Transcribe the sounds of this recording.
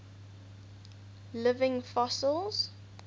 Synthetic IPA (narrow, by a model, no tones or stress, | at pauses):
lɪvɪ̃ŋfɔsəlˠz̥